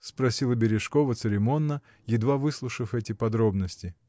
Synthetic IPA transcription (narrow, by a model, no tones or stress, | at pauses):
spɾɐsʲilˠəbʲɪɾʲɪʂko̞vət̪sɨɾʲɪmo̞nːə | jɪd̪vavɨslˠʊʂəfɛtʲɪpɐd̪ɾo̞bnəsʲtʲɪ